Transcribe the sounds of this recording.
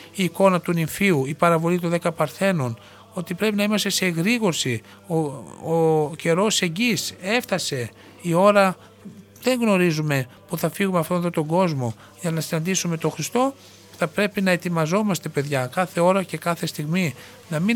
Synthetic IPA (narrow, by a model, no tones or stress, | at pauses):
iːko̞nɐt̪uniɱfiuipɐɾɐvo̞lit̪oðekɐpɐɾθe̞no̞n | o̞t̪ipɾe̞pinɐimɐst̪ese̞ɣɾiɣo̞ɾsi | ooce̞ɾo̞se̞ɲɟise̞fθɐse̞ | io̞ɾɐ | ðe̞ŋɣno̞ɾizume̞puθɐfiɣumeɐft̪o̞nðot̪o̞ŋɡo̞zmo | ʝɐnɐsinɐnd̪isume̞t̪o̞xɾist̪o̞ | θɐpɾe̞pinɐe̞t̪imɐzo̞mɐst̪e̞pe̞ðʝɐkɐθe̞o̞ɾɐce̞kɐθe̞st̪iɣmi | nɐmi